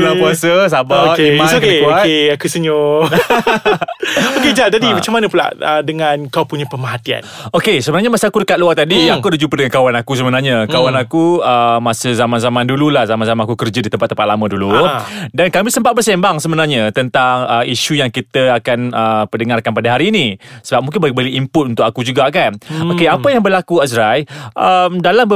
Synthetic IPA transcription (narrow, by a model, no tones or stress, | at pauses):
ulabuasəs̬abakeok̪əuoakteakusəɲo | oked͡ʒat̪adimat͡ʃamːanə̃pula̰ʔədəŋankawpuɲapəmaɦat̪ia̰nnokesəbənarɲamasiakudəkat̪̚luart̪adiakudəd͡ʒumpədəŋankawanakus̬əbənarɲakawanakuəmasəzamãnzamãndululahzamãnzamanakukərd͡ʒadit̪əmpat̪ːəmpat̪̚lamãduludankamisəmpat̪̚bərsembaŋsəbənarɲãt̪ənt̪aŋəiʃujaŋkit̪əakanəpədəŋarkanpadaɦaɾiːnĩsəbap̚mũŋk̬ɪnbaik̚bəliimpʊt̪unt̪ʊkakud͡ʒuɡakanokeapajaŋbəlakuasɾajʔəmdalam